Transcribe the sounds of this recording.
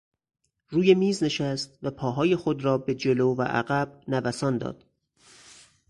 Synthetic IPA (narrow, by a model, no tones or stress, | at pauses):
ɾuːje̞miːzne̞ʃæst̪̚væpʰɒːɦɒːje̞xod̪ɾɒːbe̞d͡ʒe̞loːvæ̰ʔæ̰ɣæb̥̚nævæsɒːnd̪ɒ̰ːd̪̥